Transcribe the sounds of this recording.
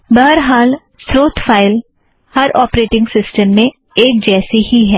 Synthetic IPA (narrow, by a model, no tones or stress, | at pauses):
bəɦəɾɦaːl | sɾoːt̪ʰpʰaːɪl | hɐɾɔːpɾeːʈɪ̃ŋɡsɪsʈəmːẽ | eːk̚d͡ʒɛːsihiɦɛː